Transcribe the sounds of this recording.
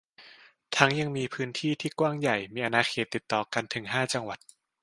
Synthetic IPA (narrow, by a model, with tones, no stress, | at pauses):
t̪ʰa˦˥ŋja˧ŋmiː˧pʰɯː˦˥nt̪ʰiː˥˩t̪ʰiː˥˩kwaː˥˩ŋja˨˩jmiː˧ʔa˧naː˧xʰeː˨˩t̪ːi˨˩t̪ːɔː˨˩ka˧nt̪ʰɯ˩˦ŋɦaː˥˩t͡ɕa˧ŋwa˨˩t̪̚